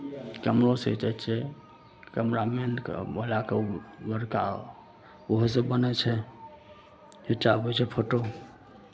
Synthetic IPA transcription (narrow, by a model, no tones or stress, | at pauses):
kəmɾosḛt͡ʃat͡ʃʰɛ | kəmɾamenkbəlakebəɾka̰ | oɦs̬ẽbənɛt͡ʃʰɛ | d͡ʒet͡ʃabɛt͡ʃʰɛpʰoʈo